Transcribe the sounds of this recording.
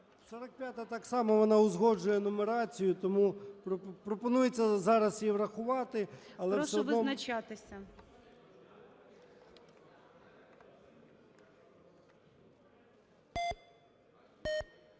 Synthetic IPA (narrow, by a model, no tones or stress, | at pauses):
sɔɾɐk̚pʲjat̪ɐt̪ɑksɑmɔʋɔnɑʊzɦɔd͡ʒʊjɛnɔmeɾɑt͡sʲijʊt̪ɔmupɾpɾɔpɔnujet͡sʲːɐzɑɾɐsjiʋrɐxʊʋɑt̪ɪɐlˠɛɔseɔdʋɪzɔnɐt͡ʃat̪ɪsʲɐ